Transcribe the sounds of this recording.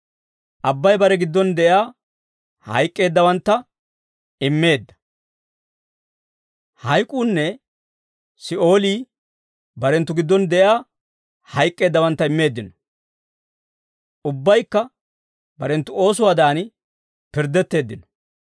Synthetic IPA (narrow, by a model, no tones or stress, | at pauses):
ʔɐbːɐjbɐɾɛɡɪd̪ːɔnd̪ɛʔjaː | hɐ̰jkʼːe̞ːd̪ːɐwɐnt̪ːɐ | ɪmːe̞ːd̪ːɐ̥ | hɐjkʼːuːnːɛ | sɪʔo̞ːliː | bɐɾɛnt̪ːʊɡɪd̪ːɔnd̪ɛʔjaː | hɐjkʼːe̞ːd̪ːɐwɐnt̪ːɐɪmːe̞ːd̪ːɪnɔ̥ | ʔʊbːɐjkːɐ | bɐɾɛnt̪ːʊo̞ːs̬ʊwaːd̪aːnɪ | pɪɾd̪ːɛt̪ːe̞ːd̪ːɪnɔ̥